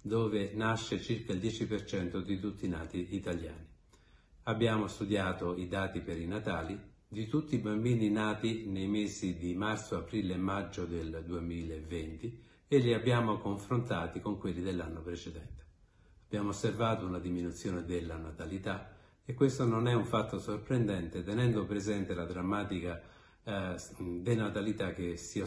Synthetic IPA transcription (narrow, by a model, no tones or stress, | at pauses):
d̪oːvenaʃːet͡ʃirkaild̪jɛːt͡ʃipert͡ʃɛnt̪od̪it̪ut̪ːina̰ːt̪iːt̪alja̰ːni | abːjaːmost̪ud̪jaːt̪oid̪aːt̪ipeɾinat̪aːli | d̪it̪ut̪ːiːbambiːninaːt̪inejmeːzid̪imart̪soapɾiːlemːad͡ʒːod̪eld̪uemiːlavent̪i | elːiabːjaːmokoɱfɾont̪aːt̪ikoŋkwelːid̪elːanːopɾet͡ʃed̪ɛnt̪e̥ | ab̥jaːmoosːervaːt̪ounad̪iminut̪sːjoːned̪elːanat̪alit̪a | ekːwest̪ononɛuɱfat̪ːosorpɾend̪ɛnt̪et̪enɛnd̪opɾezɛnt̪elad̪ɾamːaːt̪ika | d̪enat̪alit̪ak̟ːesia